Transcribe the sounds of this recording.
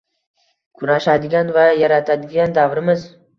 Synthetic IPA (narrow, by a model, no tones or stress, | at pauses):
kʰʊnaʃad̪ɪɡʲanvajaɾat̪ʰad̪ɪɡʲand̪avɾɪmɪz